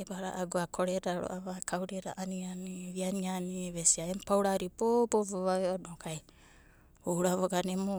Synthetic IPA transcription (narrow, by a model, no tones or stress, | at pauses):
ebaɾa̰ʔaɡuakʰoɾeɾaɾʔo̰ʔaβakʰawɾeɾa̰ʔanianiβianianiβesiaempawɾaɾipoboboβaβeonokʰaj | oɾaβoɡanemo